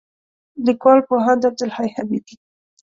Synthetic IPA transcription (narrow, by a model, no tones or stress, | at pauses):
likwɑlpoɦand̪ab̚d̪ʊlhajhabid̪i